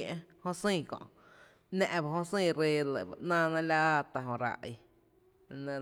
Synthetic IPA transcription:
ʔẽ˦hõ˦sĩː˦˧˨kɔ̰̃˨ʔ | nɛ̃˦˧ʔba˧ɦõ˦sĩː˦˧ɾe˧lə̰˨ba̰˨ʔnãː˦˧nã˧la˦a˦t̪a˧˨ɦõ˧ɾa̰˧˨ʔ | nẽ˧

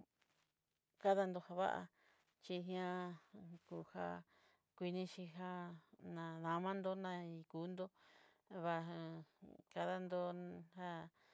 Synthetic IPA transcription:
ka˦ða˧nd̪o˧ha˧βa̰˦ʔa̰˧ | t͡ʃi˧ɦĩ˧ã˧ku˧ha̰˧ | kʷi˧nĩ˧ʃi˧ɦa˧nã˧ðã˧mã˦nd̪o˧nã˧i˧kuː˨˦nd̪o˦ | βa˧ | ka˧ða˧nd̪o˧ha˧

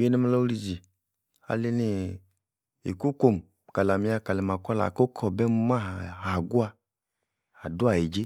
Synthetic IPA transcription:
e˦nɛ˦mɛ˧lo˦u˦li˧˨d͡ʒi˨ | a̰˨le˦ne˦˨ | ḛ˨ku˦ko˧˨m˨ka˨la˨mi˧˦a˧ka˨lɛ˨m˨a˨kɔ˦la̰˨ko˦kʰɔ˨bɛ˦mu˧˦ma˦ɦha˨ɡu˦a˧ | a˨du˦a˨e˨d͡ʒe˦

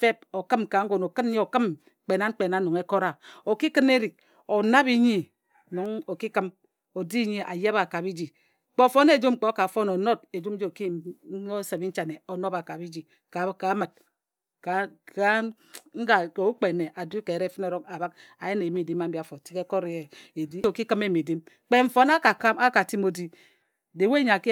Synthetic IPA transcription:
fe˦p̚o˨kɨ˦mka˨ŋ̩˦ɡo˨no˨kɨ˦n˦ɲi˦o˨kɨ˦m | k͡pe˨na˦ŋ͡m̩˦k͡pe˨na˨˦no˨ŋe˦ko˦ɾa˨o˨ki˦kɨ˦ne˦ɾi˨k̚ | o˨na˦βi˦ɲi˦ | no˨ŋo˨ki˦kɨ˦m | o˨di˦ɲi˦ʔa̰˨ja˦ba˨ka˨bi˦d͡ʒi˨˦ | k͡po˦˨fo˦ne˦˨d͡ʒu˦mŋ͡m̩˦k͡po˦ka˨fo˦no˨no˦t̚e˨d͡ʒu˦m˦d͡ʒe˦o˨ki˦˨˦o˦se˨bi˦n̩˦t͡ʃa˨ne˨o˨no˦ba˨ka˨bi˦d͡ʒi˨ | ka˨ka˨˦ma˨t̚ | ka˨a˦ | ŋ̩˦ɡa˨ko˨u˦k͡pe˨ne˨ʔa˨du˦ke˨ɾe˦˨fi˦ne˨ɾo˦ka˨ba˦k̚a˨je˦ne˨˦mi˦˨di˦ma˦m̩˦bi˦˨a˨fo˨ti̥˦ke˦ko˦ɾe˨e˨di˦o˨ki˦kɨ˦me˦˨mi˨di˦m | k͡pe˦ɱ̩˨fo˦na˦ka˨˦a˦ka˨ti˦mo˨di˦ | de˨we˦ɲa˨ki˦

